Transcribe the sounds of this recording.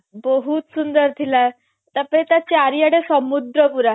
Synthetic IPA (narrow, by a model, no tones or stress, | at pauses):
bəɦuːt̪sund̪əɾt̪ʰila | t̪apeɭet̪jat͡ɕeaɾijaɽesəmud̪ɾəpuɾa